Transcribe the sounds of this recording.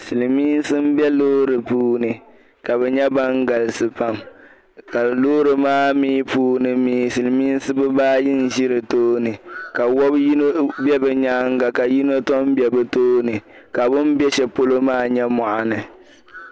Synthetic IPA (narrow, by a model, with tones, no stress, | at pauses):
sɨ˨lmiː˦n˦sɨ˦m̩˦bɛ˦loː˦ɾɨ˨puː˦nɨ˨ | ka˨bɛ˨ɲɛ˦ba˦ŋɡa˨lɨ˨sɨ˨pa˦m | ka˨loː˦ɾɨ˨maː˦miː˦puː˦nɨ˨miː˨˦sɨ˨lɨ˨miː˦n˦sɨ˦bɨ˦baː˦ji˦n˨ʒi˦ɾɨ˨toː˦nɨ˨ka˨wɔ˦bji˦no˦bɛ˦bɨ˨ɲaː˦ŋ˦ɡa˨ka˨ji˦no˦tɔ˦m˦bjɛ˨bɨ˦toː˦nɨ˨ | ka˨bʊ˦m˦bɛ˦ʃɛ˨po˦lo˦maː˦ɲɛ˦mɔ˨ʔa˨nɨ˨